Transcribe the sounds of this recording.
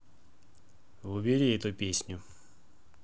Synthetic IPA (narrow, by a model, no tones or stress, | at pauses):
ʋʊbʲiɾʲiɛt̪ʊpʲesʲnʲʊ